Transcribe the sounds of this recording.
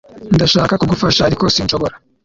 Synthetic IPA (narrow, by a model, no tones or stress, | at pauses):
ndaʃaːkakuɡufaʃahaɾiko̞sinʃoβoɾa